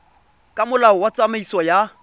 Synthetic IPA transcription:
kʼamʊlaʊwat͡sʼamaisɔja

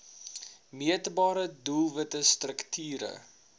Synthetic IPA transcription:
miətbɑːɾədulˠvətəstrəktʰyːɾə̰

